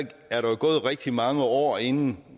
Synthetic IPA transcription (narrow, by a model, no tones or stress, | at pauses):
ɡ̥æɐɾɑjoɡ̥ɔ̽ːð̩ˠʁɛɡ̥̚d̥imɑ̈ŋəɒ̰ːe̝nn̩